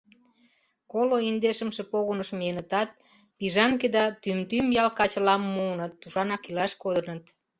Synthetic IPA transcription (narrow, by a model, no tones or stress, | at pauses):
koloind̪eʃə̆mʃĕpoɣonəʃmenət̪ɑt̪̚ | piʒɑŋked̪ɑt̪ymt̪ymjɑlkɑt͡ɕəlɑmːuənɤ̆t̪ːuʃɑnɑkilɑʃkod̪ənət̪